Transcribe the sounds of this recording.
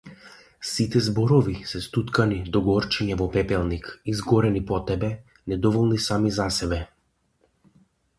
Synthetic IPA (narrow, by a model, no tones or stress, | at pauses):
sit̪ɛzbɔɾɔvisɛst̪ut̪kanid̪ɔɡɔɾt͡ʃɛɲɛvɔpɛpɛlˠnikizɡɔɾɛnipɔt̪ɛbɛ | nɛd̪ɔvɔlˠnisamizasɛbɛ